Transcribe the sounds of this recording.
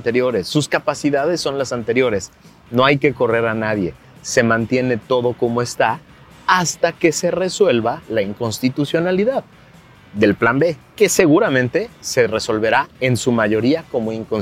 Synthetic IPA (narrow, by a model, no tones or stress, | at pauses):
nt̪e̞ɾjo̞ɾe̞sːuskapasiðað̞e̞sːo̞nlasant̪e̞ɾjo̞ɾe̞s | no̞ajke̞ko̞re̞ɾanaðje̞ | se̞mãnt̪je̞ne̞t̪o̞ð̞o̞ko̞moe̞st̪a | ast̪ake̞se̞re̞swe̞lβalaiŋko̞nst̪it̪usjo̞naliðað | ðe̞lplambe̞ke̞se̞ɣuɾamẽnt̪e̞se̞re̞so̞lβe̞ɾae̞nsumaʝo̞ɾiako̞moiŋkon